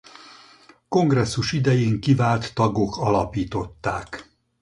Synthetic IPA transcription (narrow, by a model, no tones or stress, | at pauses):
ko̞ŋɡrɛsːuʃid̪ɛjeːŋkivaːlt̪ːɒɡo̞kɒlɒpiːt̪o̞t̪ːaːk